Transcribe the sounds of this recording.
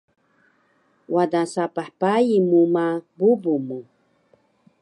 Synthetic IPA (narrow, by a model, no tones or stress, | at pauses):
wadasapaħpajimumabubumu